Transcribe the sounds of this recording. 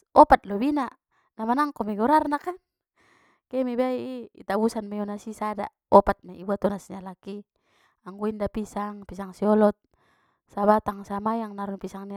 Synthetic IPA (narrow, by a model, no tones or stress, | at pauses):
ɔpat̪̚lɔbina | namanaŋkɔmɛɡɔɾarnakan | kɛmɛbaiḭːt̪abusanmaiɔnasisada̰ | ɔpat̪̚maḭbuat̪ɔnasnialaki | aŋɡuindapisaŋpisaŋsiɔlɔt̪̚ | saβat̪aŋsamajaŋnaɾunpisaŋni